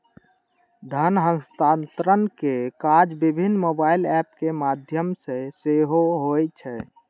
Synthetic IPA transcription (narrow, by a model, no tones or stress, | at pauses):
d̪ʱənɦə̃nst̪ant̪ɾənkekaɾd͡ʒbibʱinːmobailɛp̚kemad̪ʱjəmsẽseɦoɦojt͡ʃʰɛ